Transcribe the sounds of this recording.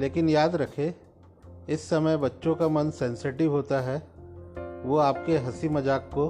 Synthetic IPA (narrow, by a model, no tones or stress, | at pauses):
leːkɪnjaːd̪ɾɐkʰe | ɪsːɐməjbɐtːʃõkamɐnsɛ̃ːnseːʈɪʋɦoːt̪aɦɛ | ʋoaːp̚keɦɐsimɐd͡ʒaːkːo